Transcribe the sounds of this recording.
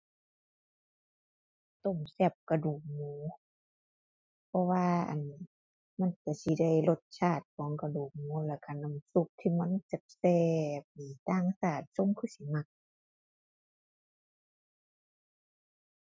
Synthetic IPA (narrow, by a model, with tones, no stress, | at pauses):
t̪o˧˩˨msɛː˧˩p̚ka˧duː˨˩k̚muː˧˦ | pʰɔ˧waː˧ʔa̰˨˩n | ma˧˥˨nka˧˩si˧˦da˧˩˨jlo˧t̪̚t͡ɕʰaː˧˩t̪̚kʰɔː˨˦ŋka˧duː˨˩k̚muː˧˦lɛː˧˩ka˧˨na˧˩˨msu˧˩k̚t̪ʰiː˧ma˧˥˨nt͡ɕa˧˩p̚sɛː˧p̚niː˨˩t̪aː˧˩˨ŋsaː˧˩t̪̚so˧˥˨ŋkʰɯː˧˩si˧˦ma˧˩k̚